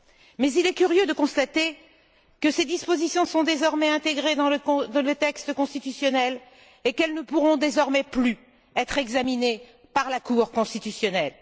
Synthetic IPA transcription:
mɛzilɛkʲyʁjød̪əkɔ̃st̪at̪e | kəsed̪ispozisjɔ̃sɔ̃d̪ezɔʁmɛɛ̃t̪eɡʁed̪ɑ̃lə̃d̪ɑ̃lət̪ɛkst̪əkɔ̃st̪it̪ysjɔnɛl | ekɛlnəpuʁɔ̃d̪ezɔʁmɛply | ɛt̪χɛɡzamine | paʁlakuʁkɔ̃st̪it̪ysjɔnɛl

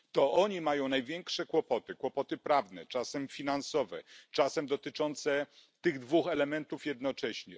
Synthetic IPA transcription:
t̪ɔʔɔɲimajɔ̃w̃najvʲjɛŋkʂɛkwɔpɔt̪ɘkwɔpɔt̪ɘpɾavnɛt͡ʂasɛmfʲinansɔvɛ̰t͡ʂasɛmd̪ɔt̪ɘt͡ʂɔnt̪sɛt̪ɘɣd̪vuxɛlɛmɛnt̪ufjɛd̪nɔt͡ʂɛɕɲɛ

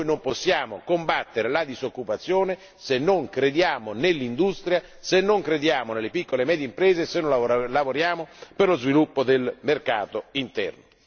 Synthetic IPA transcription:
jnomposːjaːmo̰kombat̪ːeɾelad̪izokːupat̪sːjoːne | senːoŋkɾed̪jaːmonelːind̪ust̪ɾja | senːoŋkɾed̪jaːmonelːepikːolemɛːd̪jimpɾɛːzesenːolavoɾjaːmoperlozvilupːod̪elmerkaːt̪oint̪ɛ̰rno

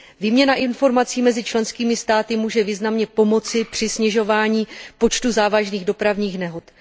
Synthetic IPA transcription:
viːmɲɛnaʔɪnfo̞ɾmat͡siːmɛzɪt͡ʃlɛnskiːmɪst̪aːt̪ɪmuːʒɛviːznamɲɛpo̞mo̞t͡sɪpr̝̥ɪsɲɛʒo̞vaːɲiːpo̞t͡ʃt̪uzaːvaʒniːɣdo̞pɾavɲiːxnɛɦot̪

